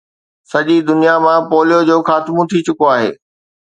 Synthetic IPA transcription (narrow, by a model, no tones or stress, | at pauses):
sɐʄid̪ʊnijamãpoːlijod͡ʑoːxaːt̪mũt̪ʰit͡ɕʊkoaːɦḛː